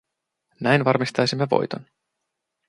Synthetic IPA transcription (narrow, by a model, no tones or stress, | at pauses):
næjnʋɑrmist̪ɑjsimːeʋo̞̰jt̪o̞̰n